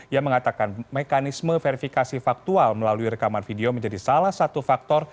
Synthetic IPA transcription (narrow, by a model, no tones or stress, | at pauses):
ijaməŋat̪akanmekanisməfeɾifikasifak̚t̪ualməlaluiɾəkamanfideoməɲd͡ʒadisalahsat̪ufak̚t̪ɔr